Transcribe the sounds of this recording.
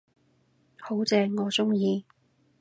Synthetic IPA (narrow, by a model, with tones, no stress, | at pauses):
ho˨˥wt͡sɛː˧ŋɔː˨˧t͡sʊ˥ŋjiː˧